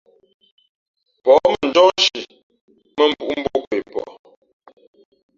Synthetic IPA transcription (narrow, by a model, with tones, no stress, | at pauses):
pɔ˨˦mə˨n˨d͡ʒɔ˦ʃi˨ | mə˦m̩˨bu˦ʔm̩˦bo˦kwe˨pɔ̰˨